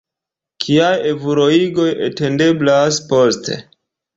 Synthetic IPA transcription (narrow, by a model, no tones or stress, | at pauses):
kʰiajevuɾoiɡo̞jḛte̞nde̞blaspo̞ste̞̰